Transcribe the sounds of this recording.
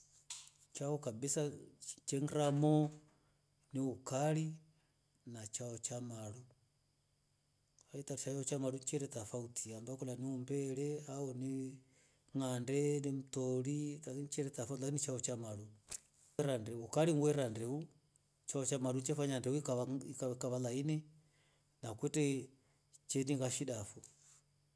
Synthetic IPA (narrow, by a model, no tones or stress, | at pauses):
t͡ʃaɔkabisat͡ʃɛŋɾamɔ | niukali | nat͡ʃaɔt͡ʃamalu | aitaɾit͡ʃajaɔt͡ʃamaɾut͡ʃɛɾɛtafautʰiambakɔlaniumbɛɾɛaɔni | ŋandɛnim̩tɔɾilakinit͡ʃɛɾɛtafaulakinit͡ʃaɔt͡ʃamalu | ɾandɛukaɾiŋɡwɛɾandɛu | t͡ʃaɔt͡ʃamaɾut͡ʃɛfaɲandɛuikaakkaβalainɛ | nakwɛtɛ | t͡ʃɛniŋɡaʃiɗafɔ